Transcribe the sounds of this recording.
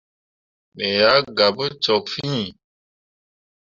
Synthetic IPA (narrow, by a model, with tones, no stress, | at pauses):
me˨ja˨˦ɡa˨bə˦t͡ʃɔ˨kfĩ˦˨